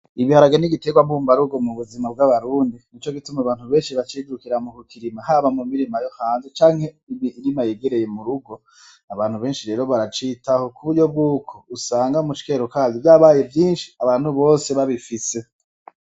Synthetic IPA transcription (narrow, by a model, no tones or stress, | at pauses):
iβihaɾaɡeniɡite̞ɡwambuːmbaɾuɡo̞muβuzimabɡaβaɾuːndinit͡ʃo̞ɡitumaβaːn̥huβe̞ːnʃiβat͡ʃiɡuɾukiɾamukukʰiɾimahaβamumiɾimajo̞haːnzet͡ʃaːŋhe̞ | iβiːɾimajeɡe̞ɾe̞je̞muɾuɡo̞ | aβaːnhuβe̞ːnʃiɾe̞ːɾo̞βaɾat͡ʃiːtaho̞kʰuβuɟo̞b̚ɡuːkʰo̞usaːŋɡamut͡ʃi̥ke̞ɾokazivjaːβaje̞vjiːnʃi̥aβaːn̥huβo̞ːse̞βaβifise̞